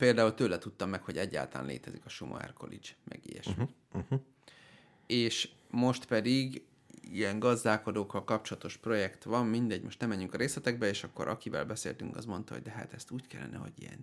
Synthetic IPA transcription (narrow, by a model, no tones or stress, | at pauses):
peːld̪aːult̪øːlɛt̪ut̪ːɒmːɛkho̞ɟɛɟːa̰ːlt̪ɒla̰ːnlḛːt̪ɛzikɒʃumʔo̰ɛ̰rkʰo̞̰lḭt͡ʃmʔɛ̰ɡijɛ̰ʃy | eːʃ | mo̞ʃt̪pɛd̪iɡ | ijɛŋɡɒzd̪aːko̞d̪oːkːɒlkɒp̚t͡ʃolɒt̪o̞ʃpro̞jɛkt̪ʋɒmmind̪ɛɟːmo̞ʃt̪nɛmɛɲːyŋkɒɾeːslɛt̪ɛɡ̚bɛeːʃɒkːo̞ɾʔɒ̰kivɛ̰lbɛsḛːlt̪yŋkɒ̰zmo̞nt̪ɒ̰o̰ɟd̪ɛɦa̰t̪ɛst̪uːckɛlːɛnʔɛ̰ɦo̞̰ɟḭjɛ̰n